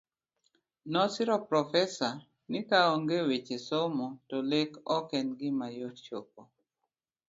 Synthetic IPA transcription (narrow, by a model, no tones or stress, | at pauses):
nɔsɪɾɔpɾɔfɛsa | nɪkaɔŋɡewet͡ʃesomɔtɔlekɔkɛnɡɪmajott͡ʃop̚o